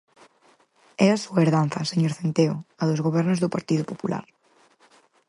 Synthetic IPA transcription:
ɛɾasuaeɾðan̟θɐseɲoɾθent̪eoaðozɣoβ̞ɛɾnozðopaɾt̪iðopopula̰ɾ

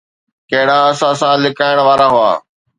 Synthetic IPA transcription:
kɐɦɪɽaɐsãsãlɪkaːɪɽ̃ʋaːɾaɦʊa̰ː

